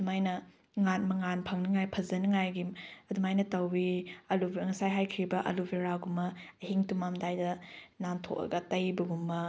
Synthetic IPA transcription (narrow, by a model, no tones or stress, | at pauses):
dumajnɐ | ŋan̚mɐŋanpʰɐŋnɐŋajpʰɐzɐnɐŋajɡimɐdumajnɐtɐwiɐlubŋɐsajɦajkʰɾibɐʔɐ̰lubʱeɾaɡumɐːɦiŋtumamdajdɐnantʰo̰kɐ̰ɡɐtɐjbɐɡumːɐ